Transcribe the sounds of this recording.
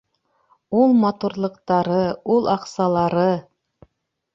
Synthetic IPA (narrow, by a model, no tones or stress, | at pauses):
ulˠmɑt̪uɾlˠɤ̆qt̪ɑɾɤulˠɑqsɑlˠɑɾɤ